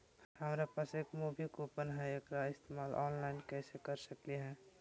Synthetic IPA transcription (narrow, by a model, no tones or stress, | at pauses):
həmɾapaseːkmuːbʱikoːpənɦɛ̃ekɾaɪst̪emaːlʔɔːnlaːɪnkɛːsekəɾsəkliɦɛ̃ː